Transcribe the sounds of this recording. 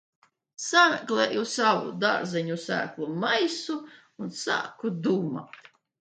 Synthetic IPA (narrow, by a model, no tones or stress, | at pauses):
samɛklʲˠɛːjusavṵd̪aɾzɛɲusæ̰ːklˠumajsuː | nsa̰ːkud̪uːma̰t̪